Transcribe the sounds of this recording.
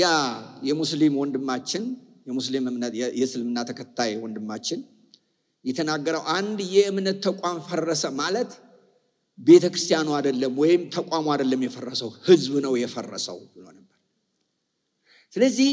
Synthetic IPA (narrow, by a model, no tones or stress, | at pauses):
jajɛmuslimwɔnd̪ɨmːat͡ʃːɪn | jɛmuslimɨmnəjɛsɨlmɨnːat̪ʰəkʰət̪ʰːajwɔnd̪ɨmːat͡ʃːɪn | jɛt̪ʰənaɡːəɾəwʔand̪jɛʔɨmnət̪ʰːəkʷʼamfərːəsəmalət̪ | be̞t̪ʰəkɾɨst̪ʰijanuad̪əlːəmwɔjɪmt̪ʰəkʼamad̪əlːəmjɛfərːəsəwhɨzbnəwjɛfərːə̰sə̰wbɨləwnəbːəɾ | sɨləzːih